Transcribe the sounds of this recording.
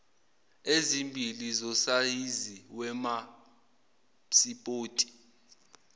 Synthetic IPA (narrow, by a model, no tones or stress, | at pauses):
ezimbʱilizɔsajiziwɛma | sipʼoːtʼi̥